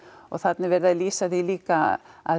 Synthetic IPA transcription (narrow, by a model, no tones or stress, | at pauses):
ɔ̰ɣθat̪nɪvɛːɾðaðliːsaðiliːkaa̰ð